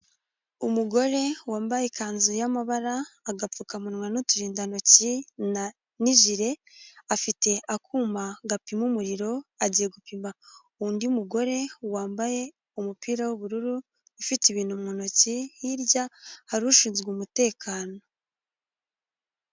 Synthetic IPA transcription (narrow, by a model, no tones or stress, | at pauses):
umuɡo̞ɾe̞waːmbajekaːnzujamaβaɾaːɡap͡fukamunwanutuɾiːndano̞cin | niʒiɾe̞ | afite̞ʔakuːmaɡapimumuɾiɾo̞aɟije̞ɡupima | uːndiumuɡo̞ɾe̞waːmbaje̞ | umupiːɾawuβuɾuɾu | ifitiβiːn̥humŋonocihiɾɟahaɾuʃiːnzɡumute̞ːkʰaːno̞